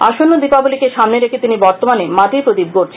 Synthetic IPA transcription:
aʃonːod̪ipabulikeʃamneɾekʰet̪inibɔɾt̪omanemat̪ipɾot̪ib̚ɡoɾt͡ɕʰ

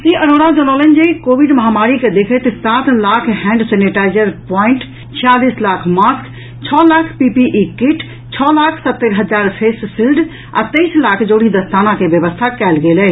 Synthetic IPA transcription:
siʔəɾoɽad͡ʒəlɔlənd͡ʒeikobiɖməɦamaɾiked̪ekʰɛt̪sat̪lakʰɦɛ̃ɳɖseniʈaɪd͡ʒəɾpɔiɳʈ | t͡ʃʰijalislakʰmask | t͡ʃʰɔlakʰpipiʔikiʈ | t͡ʃʰɔːlakʰsət̪ːəɾɦəd͡ʒaɾpʰessilɖ | a̰t̪əɪslakʰd͡ʒoɽid̪əst̪anakebjəbəst̪ʰakɛlɡelɛ

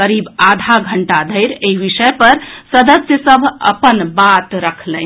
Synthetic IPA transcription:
əɾiːbad̪ʱaɡʱəɳʈad̪ʱəɪɾeiʋisəpəɾsəd̪əsjəsəbʱə̰pənbat̪ɾəkʰlə

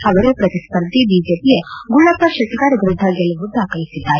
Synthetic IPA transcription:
ɐʋɐɾepɾɐt̪ispɐɾd̪ʱibid͡ʒeːpijeɡuɭːat̪ɐʃeʈɐkaːɾjɐɡɾud̪ʱaɡelɐʋud̪ʱakʰɐlisid̪ʱːaː

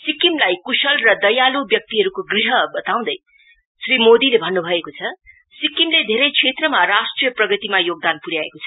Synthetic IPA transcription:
sikimlajkusʌlrʌd̪ʌjalubjʌk̚t̪iɦʌɾukoɡriɦʌbʌt̪aw̃d̪ʌj | srimod̪ilebʱʌnːubʱʌekot͡sʰʌ | sikimled̪ʱeɾʌjkʰet̪rʌmarasʈrijʌprʌɡʌt̪imajoɡ̚d̪anpuɾjaḛkot͡sʰʌ

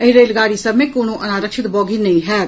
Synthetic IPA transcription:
əɪɾeːlɡaːɾiːsəmẽːkoːnũːʔənaːɾəkʃɪt̪bɔːɡiːnəĩːɦɛː

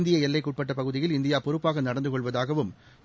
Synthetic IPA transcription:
nd̪ɪjɐɛlːɐɪkːuːʈ̚pɐʈːɐpɐɣɯðɪjɪlɪnd̪ɪjaːpɔɾɯpːaːɣɐnɐɽɐnd̪ɯkɔɭʋɐðaːɣɐʋɯm

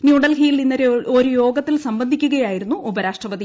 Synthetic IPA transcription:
njuːɽɐlɦijilinːɐɾeoɾujo̞ːɡɐt̪ːilsɐmbɐnd̪ʱikʲːuɣɐjaːjiɾunːuʔubɐɾaːʂʈrɐʋɐd̪i

